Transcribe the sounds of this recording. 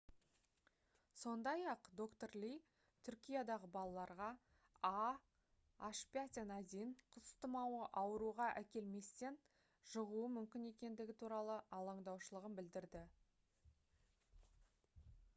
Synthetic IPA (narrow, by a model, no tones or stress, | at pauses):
so̞nd̪ɑjɑqd̪o̞kt̪o̞rlʲij | t̪ʰʏɾkʲijad̪ɑʁəbɑlˠɑlˠɑɾʁɑ | ɑ | aʃpʲat̪ʲenæd̪eɴqʰʊst̪əmɑwəʔɑwəɾuʁɑʔækʲe̞lme̞st̪e̞n | ʒ̥əʁuəmʏmkʲɪne̞kʲe̞nd̪ɪɡʲɪt̪ʰuɾɑlˠəʔɑlˠɑɴd̪ɑwʃəlˠəʁənbɪld̪ɪɾd̪ɪ